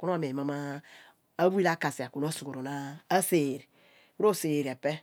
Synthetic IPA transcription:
ku˦n˦a˦˨m˨e˨i˨ma˨ma˦ | a˦wu˦i˦la˦ka˨si˨a˨ku˨n˦o˦su˨ɡo˨ɾo˨naː˦se˨ɾi˨ | u˦ɾo˦˨se˨ɾe˨pɛ˦

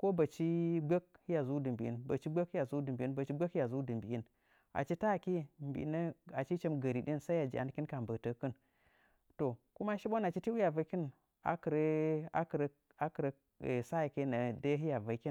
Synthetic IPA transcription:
ko˦ba˨t͡ʃi˦ɡ͡be˦k̚hi˦ja˨zu˦di˨mbi˨ḭ˦nba˨t͡ʃi˦ɡ͡be˦ki˦ja˨zu˦di˨mbi˨i˦nba˨t͡ʃi˦ɡ͡be˦ki˦ja˨zu˦dɨ˨mbi˨i˦n | a̰˨t͡ʃi˦ta˦˨ke˦mbḭ˨˦nə˦a˨t͡ʃi˦t͡ʃe˦mɡə˨ɾi˨ɗi˦nsa˦i˦ja˨d͡ʒḭ˨ʔa̰˨n˦kʲi˦nka˨mbə˨tə˦kɨ˦n | to˨ku˦ma˦ʃi˦ɓo˦na˨t͡ʃi˦ti˦u˦ja˨va˨˦ki˦n | a̰˨kɾə˦a˦kɾ | a˦kɾə˦˨ | sa˦˨ke˦na˨da˦ɦi˦ja˨va˨˦kʲi˦

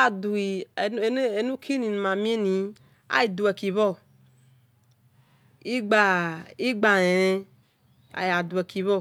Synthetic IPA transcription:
a˨du˨i˨n˦e˨nũ˦kʰi˦nĩ˨nũ˨mã˨mĩ˦e˦nĩ˨˦ | a̰˦ji˨d̪u˨ɛ˨ki˨βɔ˦˨ | i˦ɡ͡ba˨i˦ɡ͡ba˨ne˨ɾẽ˦ | a̰˨ja˨d̪u˨e˨ki˨βɔ˦˨

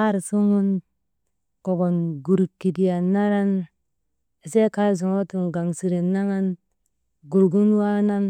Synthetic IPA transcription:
a˦ɾsu˦ŋu˦n | ko˨ɡo˨nɡu˨ɾki˨di˨ja˨na˦ɾa˦n˨ | se˦ka˦˨zu˨ŋo˦tu˨nɡa˨ŋsi˨ɾe˨nːa˦ŋa˦n | ɡu˨ɾɡu˦n˦wa˦na˦n

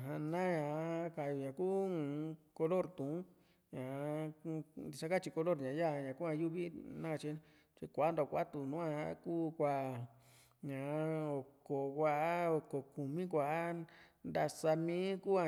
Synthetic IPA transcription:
ɦã˧nã˦ɲã˨˦ka˨jo˨ɲã˨ku˦˧˨ | ko˧lo˦˨ɾt̪ũ˨˦ | ɲã˨˧nd̪i˧ʂa˦˧ka˦t͡ʃi˧ko˧lo˦ɾɲã˨˧ja˦˧ɲã˨ku˦ã˧ju˦βi˦nã˦˧t͡ʃi˧˦ | t͡ʃi˧kʷa˨˦nd̪o˧˨˧kʷa̰˦t̪u˧nũ˨˦ã˧ã˧˦kuː˦kʷa˧˨ | ɲã˨˦o˨ko˨kʷa˧˦o˨ko˨ku˨mĩ˦k̬ʷa˨˦nd̪a˧sa˧mĩː˦ku˦a˧

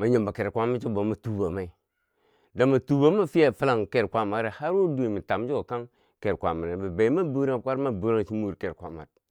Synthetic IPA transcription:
ma˨ɲo˨mba˨ke˨ɾkʷa˦ma˦t͡ʃi˦bo˨˦ma˨tu˦ba˨ma˦i˨ | da˨ma˨tu˨ba˨˦ma˦fi˦ja˦˨fi˦la˨ŋke˨ɾkʷa˦ma˨ɾe˨ha˦ɾu˦du˦i˨mi˨ta˨m˦d͡ʒu˦o˨ka˦ŋ | ke˨ɾkʷa̰˨ma˨a˨ba˨be˨i˦ma˦bu˦ɾa˦˨kʷa˦ɾma˦bu˨˦ɾa˦ŋ˨t͡ʃi˦mu˦˨ɾke˨ɾkʷa̰˨ma̰˨d̚

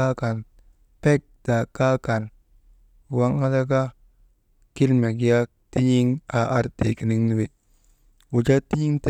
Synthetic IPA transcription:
a˦ka˨n | pe˦k̚da˨ka˦ka˨n˨ | wa˦ŋa˦da˦ka˦ | ki˦lme˨ɡi˦ja˦ | ti˦ɲi˦ŋa˨ʔa˦ɾti˨ki˨ni˦ŋni˦we˨ | wu˨d͡ʒa˦ti˦ɲi˦ŋt

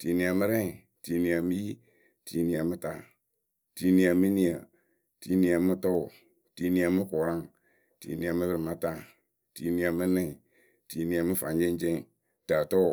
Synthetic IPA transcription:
ti˨ni˨a˨mɨ˦ɾɛ˦˨ | ti˨ni˨a˨mi˦ji˦ | ti˨ni˨a˨mɨ˦ta˦˨ | ti˨ni˨a˨mi˦ni˨a˨ | ti˨˦ni˨a˨mi˦tɔ˦˨ | ti˨ni˨a˨mɨ˦kɔ˨ɾa˦ŋ | tḭ˨ni˨a˨mɨ˦bɨ˦ɾi˨ma˦ta˦˨ | ti˨ni˨a˨mɨ˦nɛ̃˦˨i˨ | ti˨ni˨a˨mɨ˦fa˨n˦d͡ʒe˦d͡ʒe˦˨˦ | ta˨tɔ˦˨

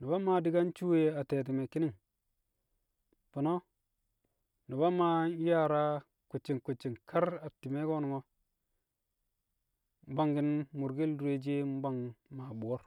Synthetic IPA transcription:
ni˨ba˦ma˨di˦ɡa˦n˦t͡ʃu˦we˦a˨te˨t̬i˨me˨ki˦ni˦ŋ | pi˨no˦ | ni˨ba˦ma˦ja˦˨ɾa˦ | ku˨t͡ʃːi˨ŋku˨t͡ʃːi˨ŋkʰa˦ɾa˨ti˨me˦ɡo˦ni˨ŋo˦ | m˦ba˦ŋɡi˦nmu˨ɾɡi˦ldu˨e˦d͡ʒe˦m˦ba˦ŋma˨bu˨o˦ɾ

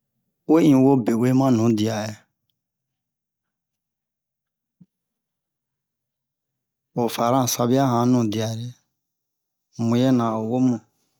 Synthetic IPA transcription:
we˦ĩ˨wo˦be˨we˦mã˦nũ˨˦di˨a˨e˨ | o˨fa˨ɾã˦˨sa˧bi˦a˦ɦã˨˦nũ˨di˨a˨ɾe˨ | mũ˧je˦nã˨o˨wo˦mũ˨

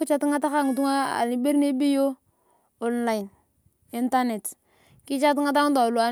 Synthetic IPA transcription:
ku˦t͡ʃa˦ti˦ŋa˦ta˦ka˦˨ŋu˨t̬u˦ŋa˦a̰˨li˨be˦ɾne˦bi˦jo˦ | o˨nla˨i˨n | i˦nta˦ne˨t | ki˦t͡ʃa˦t̬i˦ŋa˦ta˦ŋu˦ta˨lu˨a˦

